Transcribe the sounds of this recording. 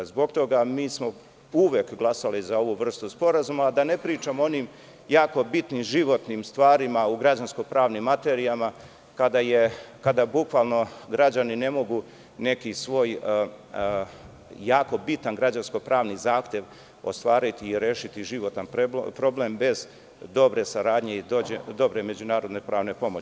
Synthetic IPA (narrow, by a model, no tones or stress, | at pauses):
zbo̞ɡ̚t̪o̞ɡamiːsmo̞ | uʋjeːkɡlˠasalizao̞ʋuʋr̩st̪uspo̞ɾazumaːd̪ane̞pɾiːt͡ʃamoo̞niːm | jaːko̞bit̪nimʒiʋo̞t̪nimst̪ʋaːɾimauɡɾad͡ʑansko̞pɾaːʋnimːat̪e̞ːɾijama | kad̪ajekad̪abukʋaːlˠno̞ɡɾad͡ʑanine̞mo̞ɡu | ne̞kisʋo̞ːj | jaːko̞bit̪anɡɾad͡ʑansko̞pɾaːʋnizaːxt̪je̞ʋ | o̞̰st̪ʋaːɾit̪iːɾeːʃit̪iʒiʋo̞t̪anpɾpɾo̞bleːmbe̞z | d̪o̞bɾe̞saɾaːd̪ɲe̞id̪oed̪o̞bɾe̞me̞d͡ʑunaːɾo̞d̪nepɾaːʋne̞po̞mot͡ɕi